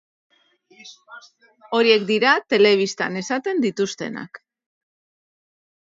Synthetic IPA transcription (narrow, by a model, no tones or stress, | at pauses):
o̞ɾie̞kd̪iɾat̪e̞le̞β̞ist̪a̰ne̞sat̪e̞nd̪it̪ust̪e̞̰na̰k